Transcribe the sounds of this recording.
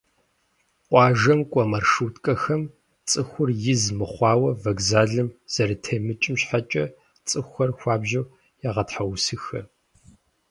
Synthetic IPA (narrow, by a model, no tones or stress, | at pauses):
qʷʼɑːʒɐmkʷʼɐmɐrʂutkʼɐxɐm | t͡sʼɨxʷʊrjɪzmɨχʷɑːwɐvɐɡzaːɮɨmz̥ɐɾɨtʰeːmɨt͡ʃʼɪmɕħat͡ʃʼɐ | t͡sʼɨxʷɐrxʷɑːbʒɐw | jaʁɐtħawsɨxɐ